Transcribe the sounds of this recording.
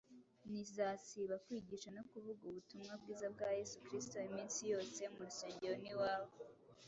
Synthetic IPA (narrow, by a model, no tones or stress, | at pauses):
nizaːsiβakwiːɟiʃanokuvuɡuβutumŋabɡiːzab̚ɡaːje̞sukɾisto̞imiːnsijo̞ːse̞muɾuseːɲɟeɾoniwaːβo